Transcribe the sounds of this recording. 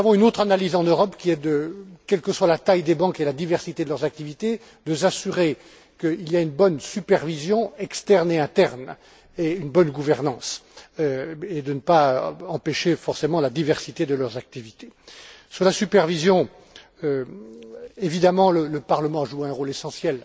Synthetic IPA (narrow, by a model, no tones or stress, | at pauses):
avɔ̃ynot̪χanalizɑ̃nøʁɔpkʲiɛd̪əkɛlkəswalat̪ajd̪ebɑ̃kelad̪ivɛʁsit̪ed̪əlœʁzak̚t̪ivit̪e | d̪əs̬asyʁe | kəilijaynbɔnsypɛʁvizjɔ̃ɛkst̪ɛʁneɛ̃t̪ɛʁn | eynbɔnɡuvɛʁnɑ̃s | ed̪ənəpaɑ̃peʃefɔʁsemɑ̃lad̪ivɛʁsit̪ed̪əlœʁzak̚t̪ivit̪esyʁlasypɛʁvizjɔ̃ | ø | evid̪amɑ̃lələpaʁləmɑ̃aʒueɛ̃ʁolesɑ̃sjɛl